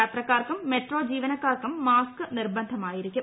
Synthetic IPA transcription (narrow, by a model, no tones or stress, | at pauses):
aːt̪rɐkːaːrkɯmːeʈroːd͡ʑiːʋɐnɐkːaːrkɯmːaːskɨnɪrbɐnd̪ʱɐmaːjɪɾikʲːɯm